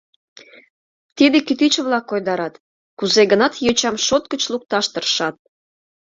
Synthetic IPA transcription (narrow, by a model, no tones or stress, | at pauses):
t̪id̪ekit̪it͡ɕəβlɑkːojd̪ɑɾɑt̪ | kuzeɡənɑt̪jøt͡ɕɑmʃot̪̚kət͡ɕluk̚t̪ɑʃt̪ərʃɑt̪̚